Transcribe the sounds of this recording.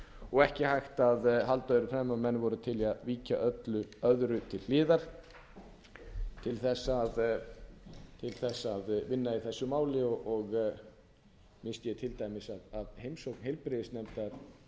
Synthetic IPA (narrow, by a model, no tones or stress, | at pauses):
ɔɣɛhcɪhajxt̪aðɦalt̪aðʏɾʏfɾɛmːamɛnːvɔɾʏt̪ʰɪlaðviːcaʔœt̪lʏœðɾʏt̪ʰɪllɪːðaɾ̥ | t̪ʰɪlθɛsːað | t̪ʰɪlθɛsːaðvɪnːaiθɛsːʏmaːwlɪɔʔɔɣ | mɪnst̪jɛt̪ʰɪlt̪aːjmɪsaðaðhejmsowknhejlpɾɪðɪsnɛmt̪aɾ̥